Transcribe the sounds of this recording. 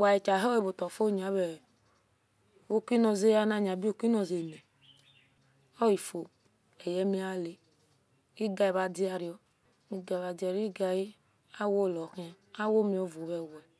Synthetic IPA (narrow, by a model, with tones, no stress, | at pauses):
wa˨ji˨t͡ʃa˨ɦɛ˦e˦˨bo˨tɔ˨fo˦˨ɲ˨a˨˦βɛ˨ | o˦kʷi˦nɔ˧ze˦ja˦na˦˨ɲa˨bi˦o˦˨ki˦nɔ˨ze˨nɛ˨ | ɔ˦i˨fo˨ | ɛ˨jɛ˦mi˦a˦le˨ | i˦ɡa˧i˨βa˨di˦a˧ɾi˨˦ɔ˦ | mi˧ɡa˨βa˨di˨˦a˨ɾi˦ɡa˧ji˦ | a˦wo˦˨lɔ˨ki˦ | a˦wo˦mi˧˦o˦vu˨βɛ˨wɛ˨